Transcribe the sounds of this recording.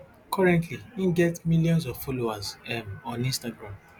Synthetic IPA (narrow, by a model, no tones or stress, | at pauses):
kʰɔɹɛ̃ntʰliĩnɡɛtmiljɔ̃nsɔvfɔlowazɛmɔ̃nĩstaɡɹãm